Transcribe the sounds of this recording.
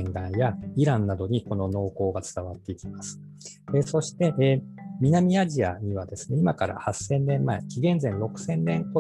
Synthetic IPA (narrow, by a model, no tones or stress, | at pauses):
ŋɡãɰjaiɾãnːad̪o̞ɲ̟iko̞nono̞ːko̞ːɡat͡sɨ̥t̪aβat̪ːe̞ikʲimasɨ̥ | eso̞ɕi̥t̪e̞ʔmʲinamʲiaʑiaɲ̟iβad̪e̞sɨ̥ne̞imakaɾa̰hasːẽ̞nːẽ̞mːaekʲiɡẽ̞nd͡zẽ̞nɾo̞kɯ̟̥sẽ̞nːẽ̞ŋko